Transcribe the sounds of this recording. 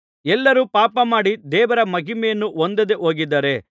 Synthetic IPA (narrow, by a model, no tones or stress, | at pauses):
ɛlːɐɾupaːpɐmaːɽid̪ɛːʋɐɾɐmɐɡimejɐnːuʔond̪ɐd̪eʔoːɡid̪ːɐːɾe̞